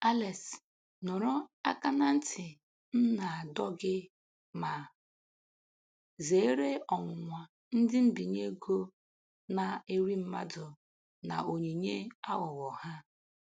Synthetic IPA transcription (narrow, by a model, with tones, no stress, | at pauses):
a˦le˨s | nʊ˨ɾʊ˦a˦ka˦na˦n̩˦tʰɪ˨ | n̩˦na˨dɔ˦ɡɪ˦ | ma˨ | ze˨˦ɾe˦ɔ˨ŋʷʊ˨ŋʷa˨ | n̩˦dɪ˦m̩˦bi˨ɲe˦ɡo˦ | na˨e˦ɾi˦m̩˦ma̰˦dʊ˨ | na̰˨o˨ɲe˨ɲe˦a˦ɣɔ˨wɔ˨ha˦